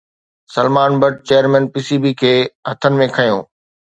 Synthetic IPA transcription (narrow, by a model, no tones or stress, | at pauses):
sɐlmaːnbɐʈ̚t͡ɕeːjəɾmɛ̃ːnpiːsiːbiːkʰeːɦɐt̪ʰənɪ̆mẽkʰɐjõ̰ː